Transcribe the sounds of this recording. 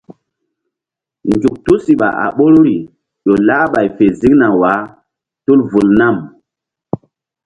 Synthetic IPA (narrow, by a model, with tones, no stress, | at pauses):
nd͡ʒu˨k̚tu˦si˨ɓa̰˨ʔa̰˨ɓo˦ɾɾi˨ | ɗo˨laː˦ɓa˨jfe˨zi˦kna˨wa˨˦ | tu˦lvu˨lna˦˨m